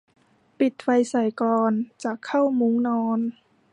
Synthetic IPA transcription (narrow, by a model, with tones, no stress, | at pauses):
pi˨˩t̪̚fa˧jsa˨˩jklɔː˧nt͡ɕaː˨˩kʰːa˥˩wmu˧˦ŋnɔː˧˥n